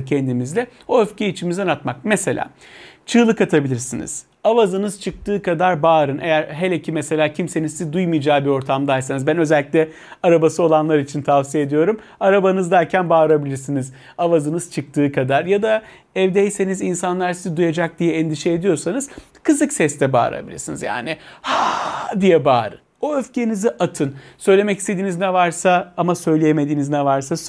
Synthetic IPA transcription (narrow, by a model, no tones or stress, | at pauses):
cʰɛnd̪imizlʲɛoøfcʰeit͡ʃʰimizɛnat̪mak̚mese̞lʲʔa̰ː | t͡ʃʰɯːlˠɯkat̪ʰabilʲiɾsinḭz̥ | avazɯnɯzt͡ʃʰɯk̚t̪ʰɯːkad̪aɾbaːɾɯnʔe̞jæɾɦelʲecʰimeselʲaːcʰimse̞nizsizd̪ujmɯjd͡ʒaːbio̞ɾt̪ʰamd̪ajsanɯzbænø̞zɛlʲːicʲlʲɛ | aɾabasɯo̞lˠanlˠaɾit͡ʃʰint̪ʰavsijeed̪ijo̞ɾum | aɾabanɯzd̪æɾcʰænbaːɾabilʲiɾsiniz̥ | avazɯnɯz̥t͡ʃʰɯk̚t̪ʰɯːkʰad̪aɾjad̪a | ɛvd̪ɛjse̞nizinsanlˠaɾsizid̪ujad͡ʒak̚d̪ijɛːnd̪iʃɛed̪ijo̞ɾsanɯz̥ | kʰɯzɯksɛst̪ʰɛba̰ːɾa̰bḭlʲiɾsinizja̰ːnɪhad̪ijɛbaːɾɯ̰ | o̞øfceniziʔat̪ʰɯnsø̞jlʲe̞mɛci̥st̪ed̪iːniznɛvaɾsaamasø̞jlʲejeme̞d̪iːniznɛvaɾsas